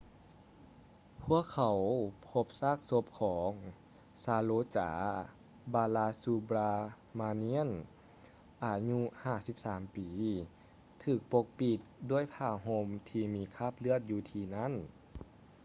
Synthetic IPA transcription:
pʰu˧˥˩əkʰːa˨˩wpʰo˧˥p̚saː˧˥˩k̚so˧˥p̚kʰɔː˩˦ŋ | saː˧loː˧t͡ɕa̰ː˩˧˦ | baː˧laː˧suː˧bɾaː˧ | maː˧ni˧˥ə˨n | ʔaː˨˩ɲu˧haː˧˩si˧˦˥p̚saː˩˦mpiː˨˦ | t̪ʰɯː˨˩k̚po˧k̚pi˧˩t̪̚du˧˩əjpʰaː˧˩ɦo˧mt̪ʰiː˧miː˧kʰaː˧˥˩p̚lɯ˧˥˨ət̪̚juː˧t̪ʰiː˧na˥˨n

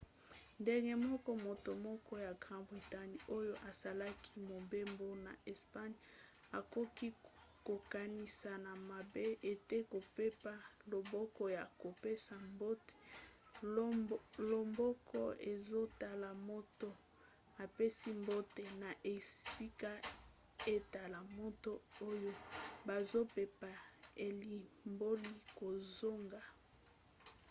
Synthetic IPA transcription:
nde˨ŋɡe˦mɔ˦kɔ˦mo˨to˨mɔ˦kɔ˦ja˨ɡʁã˨bʁi˨ta˦ni˨o˦jo˦ʔa˨sa˨la˦ki˦mo˨be˦mbo˦na˨ʔe˨spa˦ɲ˦ | a˨ko˦ki˦ | ko˨ka˨ni˨sa˨na˨ma˨be˦e˨te˦ko˨pe˦pa˦lo˨bɔ˦kɔ˦ja˨ko˨pe˦sa˨mbo˦te̥˨ | lo˨mbɔ˦kɔ˦e˨zo˦ta˨la˨mo˦to˦ | na˨pe˦si˦mbo˦te˨na˨ʔe˨si˦ka˦ | e˦ta˨la˨mo˦to˦o˦jo˦ba˨zo˦pe˨pa˨e˨li˨mbo˦li˦ko˨zo˦ŋɡa˨

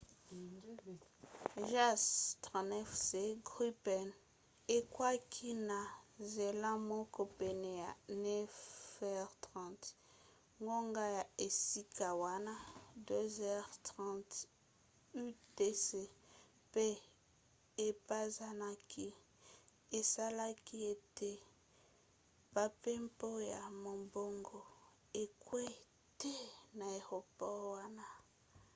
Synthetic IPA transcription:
ʒa˦stʁã˨nɛ˦fse˨ɡʁi˦pɛ˨n | e˦kwa˦kʰi˦na˨ze˨lã˦mo˦ko˨pe˨ne˨a˨nɛ˦vɛ˦ʁtʁɑ̃˦˨t | ŋɡo˦ŋɡa˦ja˨e˨si˦kʰa˨wa˦na˦dø˦zɛ˦ʁtʁɑ̃˦t | y˦de˦se˦ | pe˦ | e˨pa˦za˦na˦kʰi˦ | e˨sa˦la˦ki˦e˨te˦ | pa˨pe˦mpo˦ja˨mo˨mbo˦ŋɡo˨ | e˨kwe˦ | te˦na˨e˨ʁo˨pɔ˦wa˦na˦

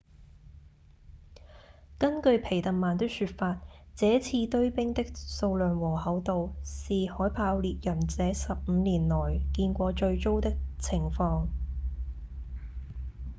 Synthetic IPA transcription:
kɐ˥nkɵ˧ɥpʰe˨˩jt̪ɐ˨n̚maː˨˩nt̪ɪ˥syː˧t̚faː˧t̚t͡sɛː˨˥t͡sʰiː˧t̪ɵ˥ɥpɪ˥ŋt̪ɪ˥k̚so˧wlœː˨nwɔː˨˩hɐ˨˥wt̪o˨wsiː˨hɔː˨˥jpʰaː˧wliː˨t̚jɐ˨˩nt͡sɛː˨˥sɐ˨p̚m̩ː˨˧liː˨˩nlɔː˨˩jkiː˧nkʷɔː˧t͡ʃɵ˧ɥt͡so˥wt̪ɪ˥k̚t͡sʰɪ˨˩ŋfɔː˧ŋ

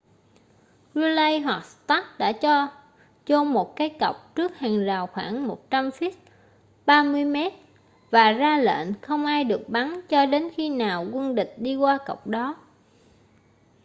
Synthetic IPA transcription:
zu˧lə˧jɦwa˨˩k̚st̪a˦˥t̚ɗa̰ː˧˥t͡ɕɔ˧ | t͡ɕo˧mo˨˩t̚kaː˨˦jkə˨˩wk͡p̚t͡ɕɨ˦˥ək̚haː˨˩ŋzaː˨˩wxwaː˧˩ŋmo˨˩t̚t͡ɕa˧mfi˦˥t̚ | ɓaː˧mɨ˧əjme˦˥t̚ | vaː˨˩zaː˧lḛ˧˨nxə˧wŋ͡mʔaː˧jɗɨ˨˩ək̚ɓa˨˦nt͡ɕɔ˧ɗe˨˦nxi˧naː˨˩wkwi˧nɗï˨˩k̟̚ɗi˧kwaː˧kə˨˩wk͡p̚ɗɔ˨˦

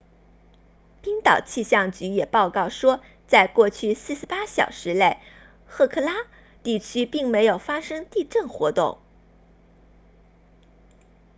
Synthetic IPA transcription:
pi˥ŋt̪ɑ˨˩ʊt͡ɕʰi˥˧ɕjɑ˥˩ŋt͡ɕy˧˥jɛ˨˩pɑ˥˧ʊkɑ˥˩ʊʂwɔ˥ | t͡sa˥˧ɪkwɔ˥˧t͡ɕʰy˥˧sɹ̩˥˧ʂɻ̩˧˥pa˥ɕjɑ̰˨˩ʊʂɻ̩˧˥le˥˧ɪ | xɤ˥˧kʰɤ˥˩la˥ | t̪i˥˩t͡ɕʰy˥pi˥˩ŋme˧˥ɪjo˨˩ʊfa˥ʂɤ˥ŋt̪i˥˧ʈ͡ʂə˥˩nxwɔ˧˥t̪ʊ̰˥˩ŋ

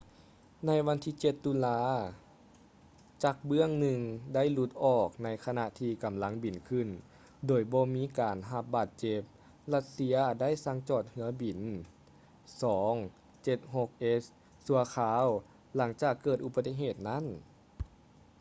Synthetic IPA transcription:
na˧˥jʋa˧˥nt̪ʰiː˧t͡ɕe˧˩t̪ːu˧˥laː˧˥ | t͡ɕaː˧˩k̚bɯ˥˩əŋnɯ˧ŋda˥˩˨jlu˧˦t̪̚ʔɔː˨˩k̚na˧˥jkʰa˧na˧ʔt̪ʰiː˧˩ka˨˩mla˧˥ŋbi˨˩nkʰɯ˧˩˨n | doː˨˩jbɔː˧miː˧˥kaː˨nɦa˧p̚baː˨˩t̪̚t͡ɕe˧p̚ | la˧˥t̪̚si˧˥ɐda˥˨jsa˧˥ŋt͡ɕɔː˨˩t̪̚hɯ˧˦ɐbi˨˩n | sɔː˩˦ŋ | t͡ɕe˧˩t̪̚ho˧k̚ʔe˧˥s | su˧˦ɐkʰaː˧˦w | la˩˦ŋt͡ɕaː˨˩kːɤː˨˩t̪̚ʔu˧pa˧t̪ːi˧˥ɦeː˨˩t̪̚na˥˨n

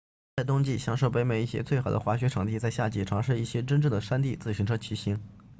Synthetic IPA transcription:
a˥˩ɪt̪ʊ˥ŋt͡ɕi˥˩ɕjɑ˥ŋʂo˥˩ʊp̬e˧˥ɪme˨˩ɪi˥˩ɕjɛ̰˥t͡swe˥˩ɪxɑ˨˩ʊd̪ə̰˦xwa˧˥ɕɥɛ˧˥ʈ͡ʂʰɤ˧˥ŋt̪̬i˥˧t͡sa˥˧ɪɕja˥˩t͡ɕi˥˩ʈ͡ʂʰɑ˧˥ŋʂɻ̩˥˧i˥˩ɕjɛ˥ʈ͡ʂə˥nʈ͡ʂɤ˥˩d̪ə˩ʂa˥nt̪i˥˩t͡sɹ̩˥˩ɕʰy˧˥ŋʈ͡ʂʰɤ˥t͡ɕʰi˧˥ɕi˧˥ŋ

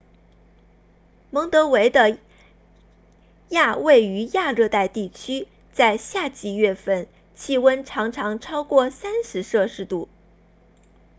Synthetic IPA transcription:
mɤ˧˥ŋt̪ɤ˧˥we˧˥ɪd̪ə˧ | ja˥˧we˥˩ɪy˧˥ja˥˧ɻɤ˥˧t̪a˥˧ɪt̪i˥˩t͡ɕʰy˥ | t͡sa˥˧ɪɕja˥˩t͡ɕi˧˥ɥɛ˥˧fə˥˩n | t͡ɕʰi˥˩wə˥nʈ͡ʂʰɑ˧˥ŋʈ͡ʂʰɑ˧˥ŋʈ͡ʂʰɑ˥ʊkwɔ˥˩sa˥nʂɻ̩˧˥ʂɤ˥˧ʂɻ̩˥˧t̪u˥˩

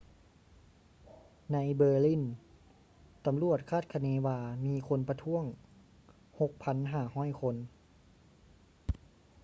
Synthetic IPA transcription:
na˧˥jbɤː˧li˧˥˩n | t̪a˧mlu˧˩ət̪̚kʰaː˥˩t̪̚kʰa˧neː˧˥waː˧miː˧˥kʰo˧˥npa˧t̪ʰu˧˥˨əŋ | ho˧k̚pʰa˧˥nɦaː˧˩hɔː˥˩˨jkʰo˧n

